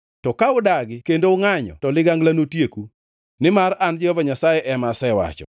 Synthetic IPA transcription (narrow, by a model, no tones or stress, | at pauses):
tɔkaʊdaɡɪkendoʊŋaɲɔ̰tɔlɪɡaŋɡlanotjeku | nɪmaɾand͡ʒɪɔvaɲasajɛʔɛmasɛwa̰t͡ʃɔ̰